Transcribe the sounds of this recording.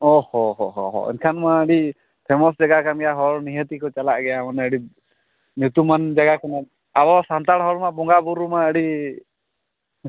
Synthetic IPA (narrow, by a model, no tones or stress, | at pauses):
ɔhɔɦɔɦɔɦɔ̰ɛ̰nkʰanmaəɽi | pʰɛmɔs̬d͡ʒaɡakamɡɛjaɦɔɾniɦət̪ikɔt͡ʃalaʔɡɛjamanɛəɽi | njut̪umand͡ʒaɡakana | abɔsant̪aɽɦɔɽmabɔŋɡabuɾumaəɽi